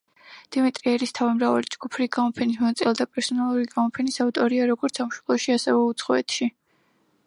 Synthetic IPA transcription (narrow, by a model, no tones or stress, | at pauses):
d̪̥imit̪ʼɾiɛɾist̪ʰavimɾavalid͡ʒɡupʰɾiɡamɔpʰɛnismɔnat̪sʼilˠd̪apʼɛɾsɔnalˠuɾiɡamɔpʰɛnisaut̪ʼɔɾiaɾɔɡɔɾt̪sʰamʃɛ̥lˠɔʃiasɛvɛut̪sʰχɔɛt̪ʰʃi